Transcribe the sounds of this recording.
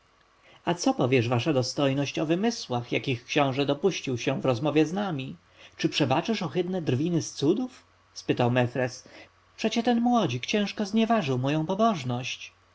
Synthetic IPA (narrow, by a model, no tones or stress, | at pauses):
at̪sɔpɔvʲjɛʐvaʂad̪ɔst̪ɔjnɔɕt͡ɕɔvɘmɘswaxjakʲixkɕɔ̃w̃ʐɛd̪ɔpuɕt͡ɕiwɕɛvɾɔzmɔvʲjɛznamʲi | t͡ʂɘpʂɛbat͡ʂɘʂɔxɘd̪nɛd̪ɾvʲinɘst̪sud̪uf | spɘt̪awmɛfɾɛs | pʂɛt͡ɕɛt̪ɛnmwɔd͡ʑikt͡ɕɛ̃w̃ʂkɔzɲɛvaʐɘwmɔjɔ̃w̃pɔbɔʐnɔɕt͡ɕ